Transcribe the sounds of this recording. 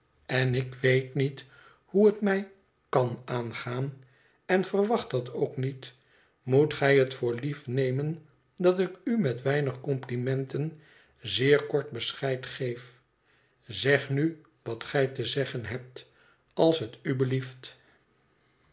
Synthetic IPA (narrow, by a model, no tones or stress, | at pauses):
ɛnɪkʋejtnit | huɦətmɛj | kɑnʔaːnχaːn | ɛnvərʋɑχtɑtʰowknit | mutχɛjɦətfʊːɹlifnejmən | dɑtɪkymɛtʋɛjnəχkɔmplimɛntən | zɪːɹkɔɹt̚bəsχɛjtχejf | zɛχny | ʋɑtχɛjtəzɛχənɦɛp̚t | ɑlˠsɦətybəlift